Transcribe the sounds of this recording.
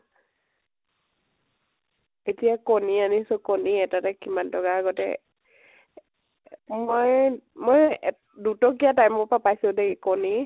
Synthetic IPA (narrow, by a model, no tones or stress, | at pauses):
etijakɔnianisɔkɔniɛtatakimantɔɡaːɡɔtɛ̰ | mojmoj | dutɔk̬ijatajmɔɹpapajseldekikɔni